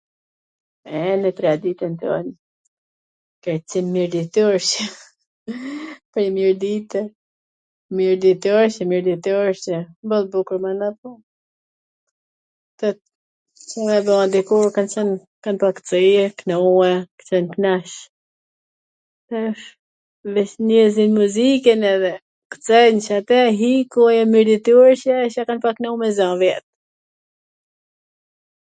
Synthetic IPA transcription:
ɛnɛt̪ɾad̪it̪ɛnt̪ɔ̰n | kɛɾt͡simmiɾd̪it̪ɔɾʃɛ | pəɾɲəmiɾd̪it̪ɛ | miɾd̪it̪ɔɾʃɛmiɾd̪it̪uɾɕɛmbɔlbukuɾmanapɔ | t̪ɔ | t͡ʃɛmɛbɔand̪ikuɾkant͡ɕɛn | kanpakt͡səjɛknɛuɛkə̥t͡ʃɛnknaʃ | t̪ɛʃ | vɛʃnɛzinmuzikɛnɛðɛ | kə̥t͡sɛnt͡ʃat̪ɛɦikujamiɾd̪it̪uɾʃɛʃakanpaknɛumɛzãvjɛt̪̚

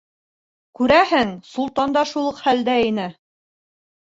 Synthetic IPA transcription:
kʉɾæhɘŋsulˠt̪ɑnd̪ɑʃulˠɤqhæld̪æinɘ

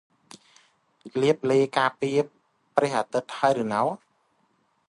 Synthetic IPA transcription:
liəp̚leːkaːpiəpː | rɛəhʔat̪ɨt̪̚haəjɾɨːnaw

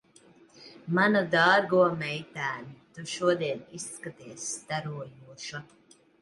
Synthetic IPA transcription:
manud̪aːɾɡuɔmɛjt̪æːnit̪uʃuɔd̪iɛniskat̪iɛsːt̪aɾuɔjuɔʃa

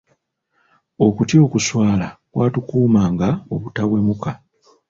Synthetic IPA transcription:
o̞kutjo̞ːkuswaːlakwaːtukuːmaːŋɡaoβutaβwe̞muka

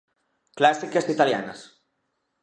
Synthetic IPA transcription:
klasikasit̪alja̰na̰s

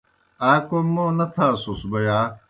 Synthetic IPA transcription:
aːkomõːnɐt̪ʰaːsusbɐjaː

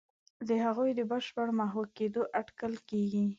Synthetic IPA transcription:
d̪əhaɣujd̪əbəʃpəɽmaɦoked̪oʔaʈkalkeɡi

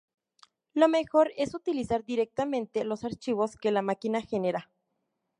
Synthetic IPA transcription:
lomexoɾesut̪ilisaɾd̪iɾek̚t̪amẽnt̪elosaɾt͡ʃiwoskelamakinaxeneɾa

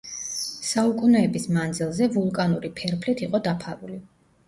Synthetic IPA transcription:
saukʼunɛːbismand̪zilˠzɛvulˠkʼanuɾipʰɛɾpʰlit̪ʰiqʼɔd̪apʰaɾuli

